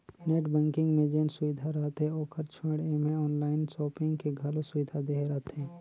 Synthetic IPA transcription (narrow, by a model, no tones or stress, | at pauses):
neːʈbɛ̃ːŋkɪ̃ŋɡmẽd͡ʒeːnsʊʋɪd̪ʱaɾat̪ɦɛoːkəɾt͡ʃʰəɽemẽɔːnlaːɪnsɔːpɪ̃ŋɡkeɡʱɐlosʊʋɪd̪ʱad̪eɦɾaːt̪ɦɛ̃ː